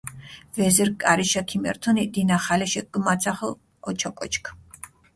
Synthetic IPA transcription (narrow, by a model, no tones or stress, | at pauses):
vɛzɛɾkʼaɾiʃakʰimɛ̰ɾt̪ʰɔnid̪inaχalɛʃɛk̚ɡmat̪sʰaχl | ɔt͡ʃʰɔkʼɔt͡ʃʰkʰ